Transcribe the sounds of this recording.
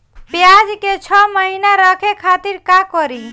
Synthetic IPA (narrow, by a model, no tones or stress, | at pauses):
pjad͡ʒket͡ʃʰɔməɦinaɾəkʰekʰat̪iɾkakɔɾi